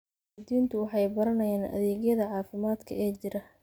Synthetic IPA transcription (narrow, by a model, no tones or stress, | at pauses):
d̪iːnt̪ʰʊwɑħɑjbɐɾɐnɐjaːnʔɐ̰ðɛːɣjɐðɐʕɑːfɪmaːd̪kʰɐɛːt͡ʃɪɾɐ